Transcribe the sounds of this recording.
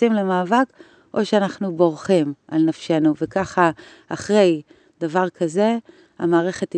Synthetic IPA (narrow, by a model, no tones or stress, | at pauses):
imlemaːvak | ʔo̞ʃeanaχnubo̞ʁχimalnafʃe̞nuvekaχa | aχʁe̞j | davaʁkʰaze̞ | a̰maːʁe̞χe̞t